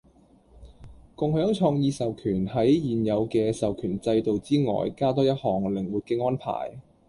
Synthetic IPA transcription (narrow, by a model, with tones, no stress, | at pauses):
kʊ˨ŋhœː˨˥ŋt͡ʃʰɔː˧ŋjiː˨˧sɐ˨wkʰyː˨˩nɦɐ˨˥jjiː˨njɐ˨˧wkɛː˧sɐ˨wkʰyː˨˩nt͡sɐ˧jt̪o˨wt͡siː˥ŋɔ̰ː˨˩jkaː˥t̪ɔː˥jɐ˥t̚hɔː˨˩ŋlɪ˨˩ŋwuː˨t̚kɛː˧ŋɔː˥npʰa̰ː˨˩j